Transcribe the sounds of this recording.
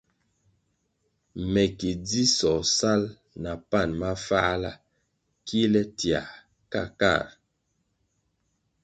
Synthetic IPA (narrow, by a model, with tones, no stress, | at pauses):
mɛ˨ki˨d͡zi˦sɔ˨sa˦l | na˨pa˦˨nma˦faː˦la̰˦˨ | ki˦lɛ˦tja̰˨ | ka˦˨ka̰˦˨ɾ